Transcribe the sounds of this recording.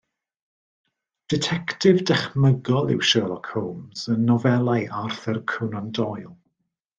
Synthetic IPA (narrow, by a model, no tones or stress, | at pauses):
d̥ɪtʰɛktʰɪvdɛχməɡɔlˠɪ̰wʃəːlˠɔkʰhowmz̥ənːɔvɛlˠajʔarθɛrkʰənandɔjlˠ